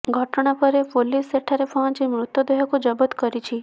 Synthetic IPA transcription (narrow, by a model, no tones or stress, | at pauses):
ɡʱɔʈɔɽ̃apɔɾepoliseʈʰaɾepʰɔ̃d͡ʒemɾut̪jɔd̪ɔɦɔkud͡ʒɔbɔt̪kɔɾit͡ʃʰi